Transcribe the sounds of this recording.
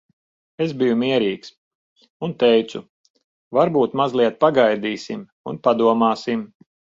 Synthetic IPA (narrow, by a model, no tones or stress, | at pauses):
ezbijumiɛɾiːks | unt̪ɛjt̪su | vaɾbuːt̪mazlˠiɛt̪̚paɡajd̪iːsim | unpad̪uɔmaːsim